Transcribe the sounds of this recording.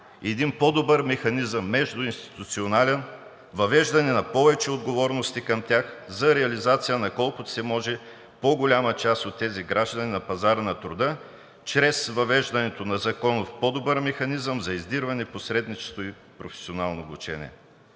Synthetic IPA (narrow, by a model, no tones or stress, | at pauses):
ɛd̪inpod̪obəɾmɛxɐnizəmːɛʒd̪ʊinst̪i̥t̪ut̪sionalɛn | vɐvɛʒd̪ɐnɛnɐpɔvɛt͡ʃɛod̪ɡovɔɾnost̪ikɐmt̪ʲjaxzɐɾɛɐlizat̪sijənɐkɔlˠkʊ̥sɛmɔʒɛ | poɡolʲamət͡ʃast̪ot̪ːɛziɡɾaʒd̪ɐninɐpɐzaɾənɐt̪ɾʊd̪ə | t͡ʃɾɛsvɐvɛʒd̪ɐnɛt̪onɐzɐkɔnofpɔd̪obəɾmɛxɐnizəmzɐizd̪iɾvɐnɛposɾɛd̪nit͡ʃɛ̥st̪oi | pɾofɛ̥sionalˠnoːbut͡ʃɛnʲḭɛ̰